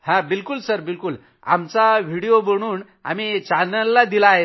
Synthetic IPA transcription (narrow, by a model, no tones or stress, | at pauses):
hãbilkulsəɾbilkul | a̰mt͡saʋ̤iɽijobəɽ̃uːn | a̰mit͡ɕanəlːad̪ilaɦe